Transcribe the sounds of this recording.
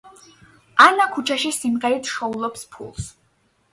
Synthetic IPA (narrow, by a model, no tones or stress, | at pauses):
anakʰut͡ʃʰaʃisimʁɛɾit̪ʰʃɔulˠɔpspʰṵlˠs